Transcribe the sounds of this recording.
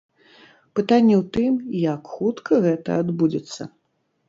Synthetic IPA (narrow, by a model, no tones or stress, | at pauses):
pɨt̪anʲːɛwt̪ɨmjakxut̪kʰɐɣɛt̪ɐ̰ad̪bud͡zʲɛt̪sːɐ̰